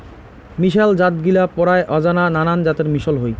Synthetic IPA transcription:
miʃald͡ʑat̪ɡilapɔɾaeʔɔd͡ʑanananand͡ʑat̪eɾmiʃolɦoj

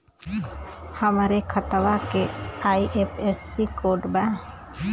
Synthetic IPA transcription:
həmɾekʰət̪ʋakeaːiʔepʰesikoːɖbɛ̃

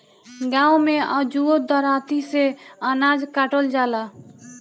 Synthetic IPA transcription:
ɡãũmea̰d͡ʒuod̪əɾat̪iseənad͡ʒkaʈəld͡ʒala

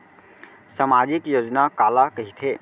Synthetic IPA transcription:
samad͡ʒikjod͡ʒnakalakəɦit̪ʰɦe

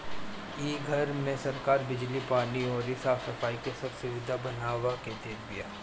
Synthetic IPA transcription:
iːɡʱɐɾmẽsɐɾkaːɾbɪd͡ʒlipaːniɔːɾɪsaːfsɐfaːikesɐbsʊʋɪd̪ʱabɐnaːwaket̪eːb̪ija̰ː

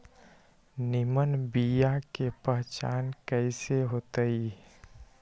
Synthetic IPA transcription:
nimənbijakepəɦt͡ʃa̰ːnkəɪseɦoːt̪əi

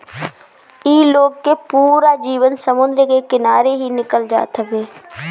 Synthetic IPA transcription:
iːloːɡ̚kepuːɾad͡ʒiːʋənsəmʊ̃nd̪ɾəkekɪnaːɾeɦinɪkəld͡ʒa̰ːt̪ɦɛbeː

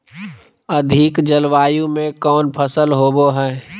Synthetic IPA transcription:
əd̪ʱikd͡ʒəlʋaːjũmẽkɔːnpʰəsəlɦoːboɦɛː

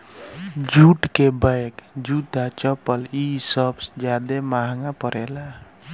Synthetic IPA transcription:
d͡ʒʱuʈkebaekd͡ʒud̪at͡ʃəpəlisəbsd͡ʒad̪emaɦŋapəɾela

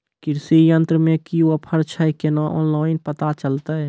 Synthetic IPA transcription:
kɪɾsijənt̪ɾəmẽkiwəpʰəɾt͡ʃʰəkenaʔɔ̰ːnlaːɪnpət̪at͡ʃəlt̪aɦɛ

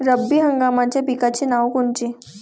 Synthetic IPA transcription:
ɾəbːiɦəŋɡamat͡ɕjabikat͡ɕenaʋkoɳt͡ɕe

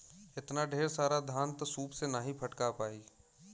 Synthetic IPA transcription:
ɪt̪naɖʱeːɾsaːɾad̪ʱãːnt̪ɔsuːpsenaɦĩpʰɐʈkapaːiː

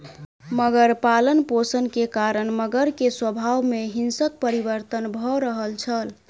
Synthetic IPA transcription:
məɡəɾpalənposənkekaɾənməɡəɾkeswəbʱawmeɦinsək̚pəɾibəɾt̪ənbʱɔɾəɦəlt͡ʃʰəl

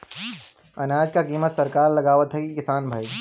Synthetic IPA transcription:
ɐnaːd͡ʒkakiːmət̪sɐɾkaːɾlɐɡaːʋət̪ɦɛkikɪsaːnbʱai

